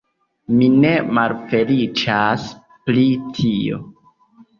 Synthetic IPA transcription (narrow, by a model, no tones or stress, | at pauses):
mine̞malfe̞lit͡ʃas | plitʰio̞̰